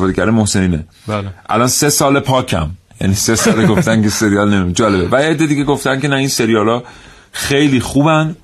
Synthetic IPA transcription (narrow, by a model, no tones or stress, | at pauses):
fɒːd̪ecʰæɾemohse̞niːne | bʔæ̰lɒːnse̞sɒːlepʰɒːcʰæ̰m | jæ̰niːsesɒːleɡot̪ænkʰese̞ɾijɒlnemd͡ʒɒːle̞bevæed̪ːed̪iɡe̞ɡoft̪æncʲe̞næinse̞ɾijɒːlɒː | xe̞jliːxuːbæn